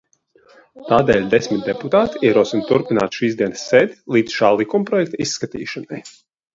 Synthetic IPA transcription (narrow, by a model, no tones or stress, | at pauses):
t̪aːd̪ɛːlʲd̪esmit̪̚d̪eput̪aːt̪iiɾuɔsint̪uɾpina̰ːt̪ʃiːzd̪iɛnsːeːd̪ʲlˠiːd̪sʃaːlˠikumpɾɔjɛkt̪aisːkat̪ḭːʃanaj